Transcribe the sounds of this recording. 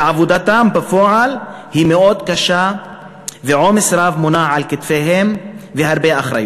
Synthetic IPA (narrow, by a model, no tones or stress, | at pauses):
ʕavod̪at̪ambafoʕalhimeo̞d̪kaʃa | veʕomesɾavmonaʕalkit̪feɦemvehaɾbeaχɾa̰jo